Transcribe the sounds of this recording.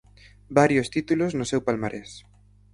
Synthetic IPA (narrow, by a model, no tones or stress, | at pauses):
baɾjost̪it̪uloznʊsewpalmaɾʔes